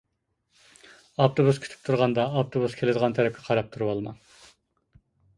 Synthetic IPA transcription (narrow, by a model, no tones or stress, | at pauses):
ɑpt̪ʰobuskʲʰy̥t̪ʰy̥p̚t̪ʰuɾʁɑnd̪ɑːpt̪ʰobuskʲʰelɪd̪əʁɑnt̪ʰæɾɛp̚kʲʰɛqʰɑɾɑp̚t̪ʰuɾuwɑlˠmɑŋ